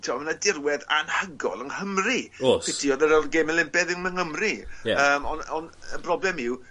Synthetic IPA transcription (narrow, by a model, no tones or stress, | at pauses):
tʰiamənadɪrwɛða̰nhəɡɔ̰lˠənhəmriosɪtʰiɔðəɾɔrɡemɛlˠɪmpɛðɪnməŋhəmriaəːmɔnɔnə̰brɔblˠɛmɪw